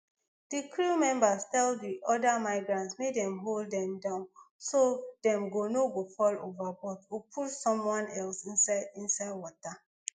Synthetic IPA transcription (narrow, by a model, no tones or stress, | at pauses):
d̥ikʰɹumɛ̃mbastɛlddiʔɔdamaɪɡɹãntsmedɛ̃mɦoldɛ̃mdãʊ̃nsodɛ̃mɡonoɡofɔlovabɔtupʰutsɔ̃mwɔ̃nɛlsĩnsaɪdĩnsaɪd̚wɔta